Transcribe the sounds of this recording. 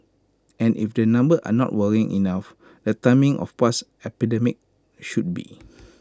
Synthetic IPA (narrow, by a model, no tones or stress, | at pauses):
ɛ̃nʔḭfdənãmbəʔa̰nɔ̰t̚wəɹĩŋʔḭnaf | dətãmĩŋʔɔ̰fpas | ɛpidɛmik̚ | ʃut̚bḭ